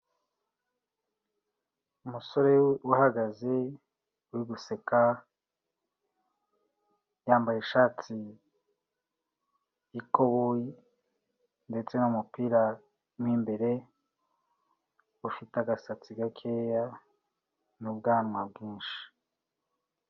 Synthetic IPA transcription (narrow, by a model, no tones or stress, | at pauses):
umuso̞ɾe̞wahaɡaze̞ | wiɡuse̞ka | jaːmbajeʃaːti | iko̞βoji | nde̞t͡se̞numupiːɾa | mwiːmbe̞ɾe̞ | ufitaɡasat͡siɡakʰeːja | nub̚ɡaːnwabɡĩːnʃi̥